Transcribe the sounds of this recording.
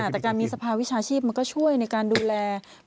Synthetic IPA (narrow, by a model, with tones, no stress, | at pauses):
aː˨˩t̪ɛː˨˩kaː˧nmiː˧sa˧pʰaː˧wi˦˥t͡ɕʰaː˧t͡ɕʰiː˥˩p̚ma˧nkɔː˥˩t͡ɕʰu˥˩əjna˧jkaː˧nduː˧lɛː˧